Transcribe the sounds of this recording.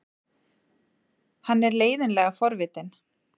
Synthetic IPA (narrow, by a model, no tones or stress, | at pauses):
hanːɛɾleːjðɪnlɛːɣafɔɾvɪːt̪ɪn